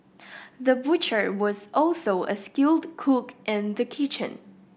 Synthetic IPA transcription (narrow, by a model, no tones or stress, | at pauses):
ðəbʊt͡ʃə˞wɔzʔɔlˠsoʊʔə̰skɪlˠdkʰukʔɪ̃nðəkʰɪt͡ʃə̰̃n